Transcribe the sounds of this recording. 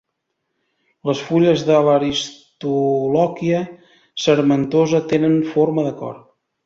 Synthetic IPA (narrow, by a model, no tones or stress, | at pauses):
ləsfuʎəzðələɾist̪ulɔkiə | səɾmənt̪ozət̪enənfoɾməðəkɔ̰r